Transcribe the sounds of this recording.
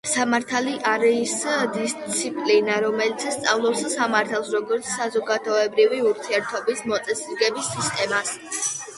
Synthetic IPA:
samaɾt̪ʰaliʔaɾɛisd̪ist̪sʰipʼlinaɾɔmɛlit̪sʰst̪sʼavlˠɔpssamaɾt̪ʰalˠsɾɔɡɔɾt̪sʰsazɔɡad̪ɔɛbɾiviuɾt̪ʰiɛɾt̪ʰɔbismɔt̪sʼɛsiɾɡɛbisːist̪ʼɛmas

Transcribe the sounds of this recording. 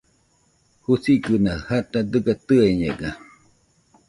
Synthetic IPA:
husikɨnahat̪ad̪ɨɡat̪ɨeɲeɡa

